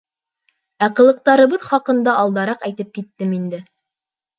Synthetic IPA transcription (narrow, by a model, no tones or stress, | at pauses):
æqɤ̆lˠɤ̆q̚t̪ɑɾɤ̆βɤðχɑqɤ̆nd̪ɑʔːlˠd̪ɑɾɑqæjt̪ɘp̚kit̪ːɘmind̪ɘ